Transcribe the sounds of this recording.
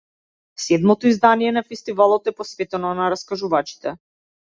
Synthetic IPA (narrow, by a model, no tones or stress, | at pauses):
sɛd̪mɔt̪ɔizd̪anijɛnafɛst̪ivalˠɔt̪ɛpɔsvɛt̪ɛnɔnaɾaskaʒuvat͡ʃi̥t̪ɛ